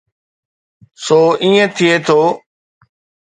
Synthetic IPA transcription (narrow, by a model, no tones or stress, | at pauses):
soːʔĩːẽt̪ʰɪeːt̪ʰoː